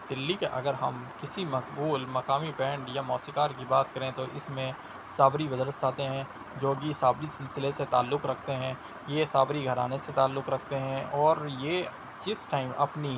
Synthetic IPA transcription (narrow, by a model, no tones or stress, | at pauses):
d̪̥ɪlːikeʔɐ̰ɡəɾɦɐ̰mkɪsimɐkbuːlmɐkaːmipɛ̃ːɳɖjamɔːsikaːɾkibaːt̪kɐɾẽt̪oʔɪsmẽ | saːbɾiʋɐzɾəsaːt̪eɦɛ̃ | d͡ʒoːɡisaːbɾisɪlsɪleset̪a̰ːlːʊkɾɐkʰt̪eɦɛ̃ | jesaːbɾiɡʱɐɾa̰ːneset̪aːlːʊkɾɐk̚ʰt̪eɦɛ̃ʔɔːɾjeː | d͡ʒɪsʈaːɪmɐ̰pni